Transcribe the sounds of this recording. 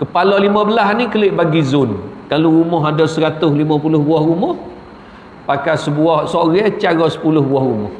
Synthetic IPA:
kəpalɔlimãbəlasnĩkəlɪʔbaɡizʊnkaluɾumɔɦadɔsəɾat̪ʊslimãpulʊhbuahɾumɔh | pakasəbuahsoɾɛt͡ʃaɾɔsə̥pulʊhbuahɾumɔh

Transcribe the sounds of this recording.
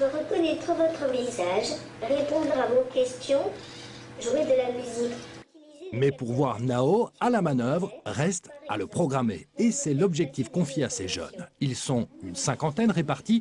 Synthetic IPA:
əʁəkɔnɛt̪χəvɔt̪χəvizaʒʁepɔ̃d̪ʁavokʲɛst̪jɔ̃ | ʒued̪əlamyzik | mɛpuʁvwaʁnaoalamanœvʁʁɛst̪a̰ləpχɔɡʁamḛːsɛlɔbʒɛk̚t̪ifkɔ̃fjeaseʒœ̰nilsɔ̃ynsɛ̃kɑ̃t̪ɛnʁepaʁt̪i

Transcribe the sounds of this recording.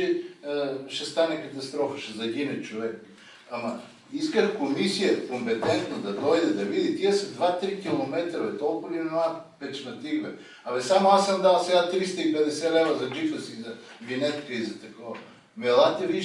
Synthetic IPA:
ɛ | ʃɛst̪anɛkɐt̪ɐst̪ɾɔfəʃɛzɐɡʲinɛt͡ʃovɛk | ɐmɐ | iskəxkomisijəkompɛt̪ɛnt̪nod̪ɐd̪ɔjd̪ɛd̪ɐvid̪it̪iəsɐd̪vat̪ɾikʲilˠomɛt̪ɾovɛt̪ɔlˠkolinɛnapɛt͡ʃnɐt̪iɡvɛ | ɐmɛsamoasəmd̪alˠsɛɡat̪ɾist̪ɐipɛd̪ɛsɛlɛvɾɐzɐd͡ʒift̪əsizɐvinɛt̪kizɐt̪ɐkɔvɐ | mɛlˠat̪ɛvi

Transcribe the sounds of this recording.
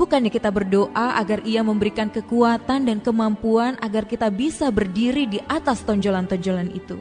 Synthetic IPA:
bukanjakit̪abərdoʔaʔaɡariaməmbəɾikankəkuat̪andankəmampuanʔaɡarkit̪abisabərdiɾidiʔat̪ast̪ɔɲd͡ʒolant̪ɔɲd͡ʒolanḭt̪u

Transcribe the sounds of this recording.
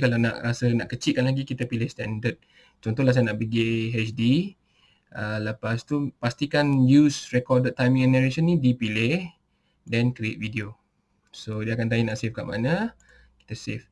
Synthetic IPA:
kalana̰ʔɾasənaʔkət͡ʃiʔ̚kanlaɡikit̪apilɪhst̪ɛndət̪̚ | t͡ʃɔnt̪ɔhlas̬anaʔbiɡeɦɛt͡ʃdi | ələpast̪upast̪ikanjusrɛkɔdət̪ːajmĩŋɛnəɾeʃənːidipilɪh | dɛnkɾiet̪̚vidio | sodiakant̪aɲinaʔsefkaʔma̰nə | ki̥t̪asef

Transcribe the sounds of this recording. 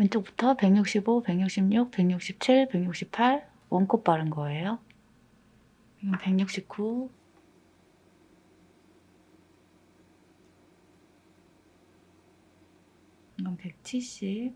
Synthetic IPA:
jʌnt͡ɕ͈ok̚pu̥tʰʌpe̞ɡɲuk̚ɕ͈ibope̞ŋɲuk̚ɕ͈imɲuk̚pe̞ŋɲuk̚ɕ͈ip̚t͡ɕʰiɭpe̞ɡɲuk̚ɕ͈ʰip̚pʰaɭ | wʌnk͈op̚p͈aɾɯnɡʌe̞jo | ʌnpe̞ŋɲuk̚ɕ͈ip̚k͈ʰu | ɡʌnpe̞k̚t͡ɕʰiɭɕ͈ip̚

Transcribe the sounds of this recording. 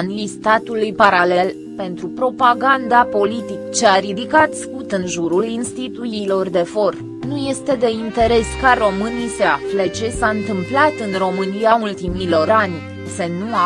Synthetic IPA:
nlist̪at̪ulujpaɾale̞l | pe̞nt̪ɾupɾo̞paɡand̪apo̞lit̪ikt͡ʃe̞aɾid̪ikat̪skut̪ɨnʒuɾulinst̪it̪ujilo̞rd̪e̞fo̞r | nuje̞st̪e̞d̪e̞int̪e̞ɾe̞skaro̞mɨnijse̞aflet͡ʃe̞saɨnt̪ɨmplat̪ɨnro̞mɨniault̪imilo̞ranʲ | senu

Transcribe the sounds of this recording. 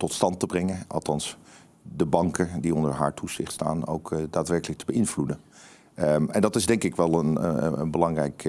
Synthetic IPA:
tɔtstɑntəbrɛŋəʔɑ̰lˠtɑns | dəbɑŋkədiɔndəɹɦa̰ːɹtʰuzɪ̰χtsta̰ːno̰wkdaːtʋɛɹkələk̚təbəɪnvludən | ɛ̰ndɑtɪzdɛŋkɪkʋɛlˠənə̰ənbəlɑŋrɛjk

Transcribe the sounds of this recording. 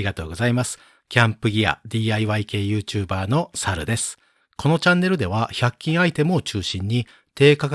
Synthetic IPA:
iɡat̪o̞ːɡo̞zaimasɨ̥ | kʲãmpɯ̟ɡʲia̰d̪ʲiːaiβaike̞ːjɯ̟ːt͡ɕɨːbaːno̞saɾɯ̟d̪e̞sɨ̥ | ko̞no̞t͡ɕãnːe̞ɾɯ̟d̪e̞β̞açʲakʲːĩɰ̃ait̪e̞mo̞ːt͡ɕɨːɕĩɲ̟ːi | t̪e̞ːkak

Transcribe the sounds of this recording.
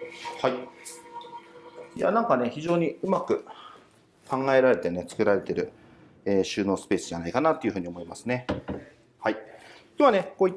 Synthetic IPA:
hai | ja̰nãŋkane̞çiʑo̞ːɲ̟iɯ̟makɯ̟ | kãŋɡae̞ɾaɾe̞t̪e̞ne̞t͡sɨ̥kɯ̟ɾaɾe̞t̪e̞ɾɯ̟̰ | eːɕɨːno̞ːsɨ̥pe̞ːsɨʑanaikanat̪ːo̞iɯ̟ɦɯ̟ːɲ̟io̞mo̞imasɨne̞ | haikʲoːβane̞ko̞ːit̪ː

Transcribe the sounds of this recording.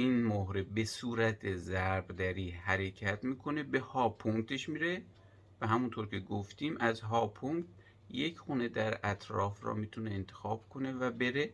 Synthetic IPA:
iːnmoɦɾebesuːɾæt̪ʰezæɾbd̪æɾiːhæɾe̞cʰæt̪miːkʰo̞ne̞be̞hɒːpʰuŋt̪ʰe̞ʃmiɾe̞ | væɦæmunt̪ʰoɾkʰe̞ɡoft̪iːmʔæzɦɒːpʰuŋt̪ | jecxune̞d̪æɾæt̪ʰɾɒ̰ːfɾɒ̰miːt̪ʰuneːnt̪ʰe̞̥xɒːb̥kʰo̞ne̞væbe̞ɾe

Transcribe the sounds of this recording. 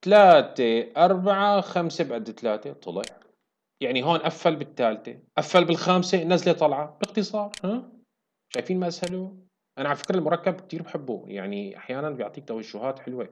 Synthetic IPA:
t̪alaːt̪eʔɑɾˤbaʕaxamsebʕad̪ːt̪alaːt̪et̪ˤʊlɪʕ | jaʕniɦoːnʔafːalbɪt̪ːaːlt̪eʔafːalbɪlxaːmsenːaːslet̪ˤɑlʕɑb̥ɪɣt̪ɨsˤɑːɾˤha | ʃaːjfiːnmaʔashaluː | ʔanaʕafɪ̥kɾɪlmʊɾˤɑkːab̚k̚t̪iːɾbaħɪbːṵja̰ʕniʔa̰ħjaːnanbjʊʕt̪ˤiːk̚t̪awaʒːʊhaːt̪ħɪlwe

